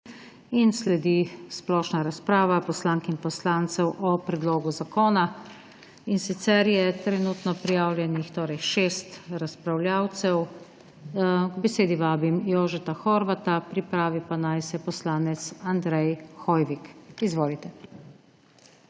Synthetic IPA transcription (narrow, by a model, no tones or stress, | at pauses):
inslɛd̪isplɔːʃnaɾaspɾaːʋapɔslaːŋkinpɔslaːnt̪sɛwʔɔpɾɛd̪loːɡuzakoːna | insit̪sɛɾjɛt̪ɾɛnuːt̪nɔpɾijaːwlʲjɛnixt̪oːɾɛjʃeːst̪ɾaspɾawlʲjaːwt̪sɛw | ɡbɛseːd̪iʋaːbimjoːʒɛt̪axɔɾʋat̪apɾipɾaːʋipanajsɛpɔslaːnɛt̪sand̪ɾɛjxɔːjʋikizʋoːlit̪ɛ